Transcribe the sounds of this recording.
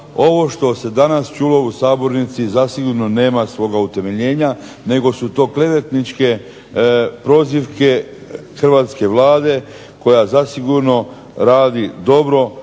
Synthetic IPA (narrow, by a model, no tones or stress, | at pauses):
o̞ʋo̞ʃt̪o̞se̞d̪anast͡ʃuːlo̞usaːbo̞ɾnit̪sizasiɡuɾno̞ne̞ːmasʋo̞ɡaut̪e̞me̞ʎe̞ːɲa | ne̞ɡo̞sut̪o̞ːkle̞ʋet̪nit͡ʃke | pɾo̞ːziʋke̞ | xr̩ʋat̪ske̞ʋlˠaːd̪e̞ | ko̞jazasiɡuɾno̞ | ɾaːd̪id̪o̞bɾo̞